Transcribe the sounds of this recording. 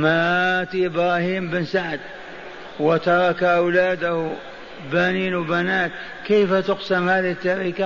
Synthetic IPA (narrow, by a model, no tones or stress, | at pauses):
mat̪iʔɪbɾˤɑːhiːmbɪnsaʕd̪ | wɪt̪ɑɾˤɑkaʔawlaːd̪ah | baniːnwbanaːt̪̚ | keːfat̪ʊqsamhaːðɪhɪt̪ːaɾiːka